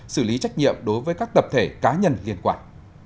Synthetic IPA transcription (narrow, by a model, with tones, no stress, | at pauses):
sɨ˧˩li˨˦t͡ɕa˦˥jk̟̚ɲḭ˧˨əmɗo˨˦jvəː˨˦jkaː˦˥k̚t̪ə˨˩p̚t̪ʰe˧˩kaː˨˦ɲə˧˩nli˧ənkwaː˧˩n